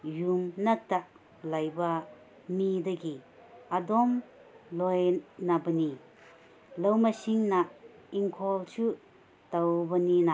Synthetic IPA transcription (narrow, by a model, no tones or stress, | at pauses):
jumnataʔ | lajba | midaɡi | adɔm | lɔjnabɐni | lawmasiŋna | iŋkʰɔlt͡ʃʰu | tawbɐnina